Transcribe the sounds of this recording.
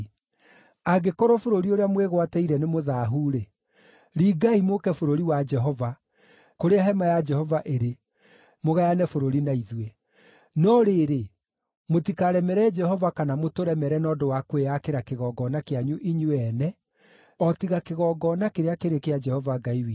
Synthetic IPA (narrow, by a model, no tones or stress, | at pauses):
aɡekɔɾɔfoɾoɾioɾeamweɣwatɛiɾɛnemoðaːɦuːɾe | ɾiːɡaimokɛfoɾoɾiwad͡ʒɛɦɔva | koɾeaɦɛmajad͡ʒɛhɔvaʔeɾe | moɣajanɛfoɾoɾinaiðwe | nɔɾeːɾe | motikaɾɛmɛɾɛd͡ʒɛhɔvakanamotoɾɛmɛɾɛnɔdowakwejakeɾakeɣɔɡɔnakeaɲuʔiɲuɛnɛ | ɔtiɣakeɣɔːɡɔnakeɾeakeɾekead͡ʒɛhɔvaɡaiwi